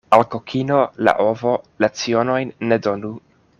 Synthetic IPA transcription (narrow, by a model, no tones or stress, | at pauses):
alkokʰinola̰ʔovo̞lat͡sio̞no̞jnːedo̞nu